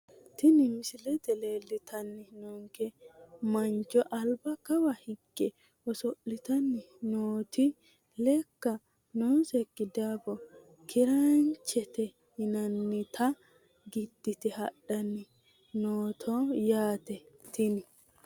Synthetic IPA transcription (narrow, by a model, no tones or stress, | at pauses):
t̪ɪnɪmɪsɪlɛt̪ɛle̞ːlːɪt̪ʰɐnːɪnɔŋkɛmɐnt͡ʃːɔʔɐlbɐkɐwɐhɪɡʼːɛ | ɔsɔʔːɪt̪ɐnːɪ | noːt̪ɪ | lɛkːɐ | noːsɛkːɪd̪aːbɔ | kʰɪɾɐnt͡ʃːɛt̪ɛ | hɪnɐnːɪt̪ʰɐ | ɡɪd̪ːɪt̪ɛhɐɗːɐnːɪ | noːt̪ʰɔjaːt̪ɛt̪ɪnɪ